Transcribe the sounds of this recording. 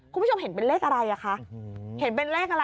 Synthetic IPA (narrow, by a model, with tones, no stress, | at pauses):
kʰu˧˦˥t͡ɕʰo˧mɦe˩˦npe˧nɾeː˥˩k̚ʔa˧ɾa˧jʔa˨˩kʰa˦˥ʔhe˩˦npe˧nɾɛː˥˩k̚ʔa˧ɾa˧